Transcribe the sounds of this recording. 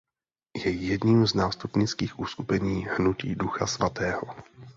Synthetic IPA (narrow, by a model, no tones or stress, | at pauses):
jɛjɛdɲiːmznaːst̪upɲɪt͡skiːxʔuskupɛɲiːhnucḭːduxa̰svat̪ɛːɦo